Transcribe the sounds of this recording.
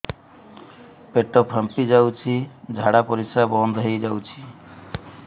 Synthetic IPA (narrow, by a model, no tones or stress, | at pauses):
peʈɔpʰəmpid͡ʒawt͡ʃʰid͡ʒʱaɽapɔɾisabɔnd̪ʱɦejd͡ʒawt͡ʃʰi̥